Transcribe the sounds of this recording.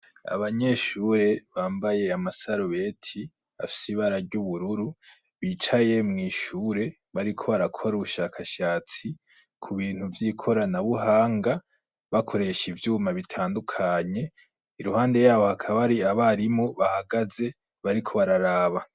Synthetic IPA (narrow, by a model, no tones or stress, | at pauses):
a̰βaɲe̞ʃuːɾe̞βaːmbaje̞amasaɾuβe̞tʰi | a̰fi̥siβaɾaɾɟuβuɾuɾu | βiːt͡ʃaje̞mŋiːʃuːɾe̞ | βaɾikʰo̞βaɾakʰo̞ɾuβuʃaːkʰaʃaːt͡si | kʰuβiːn̥huvjikʰo̞ɾanaβuɦaːŋɡa | βakʰo̞ɾe̞ʃivjuːmaβitʰaːndukʰaɲe̞ | iɾuhaːnde̞jaːβo̞hakʰaβaɾiaβaɾimo̞βahaɡaze̞ | βaɾikʰo̞βaɾaɾaːβa